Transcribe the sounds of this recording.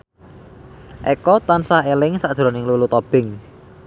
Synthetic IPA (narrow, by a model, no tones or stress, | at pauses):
ʔekɔt̪ansahelɪŋsad̥ʒ̥ɾo̤nɪŋlulut̪ɔb̥ɪŋ